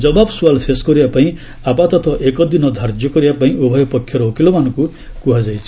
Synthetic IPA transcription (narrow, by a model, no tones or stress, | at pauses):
d͡ʒɔbabsualseskɔɾibapaĩ | apat̪ɔt̪ʰɔʔekɔd̪inɔd̪ʱaɾd͡ʒjɔkɔɾibapaĩʔobʱɔjɔpɔkʰːjɔɾɔokilɔmanɔ̃ku | kuɦad͡ʒajt͡ʃʰi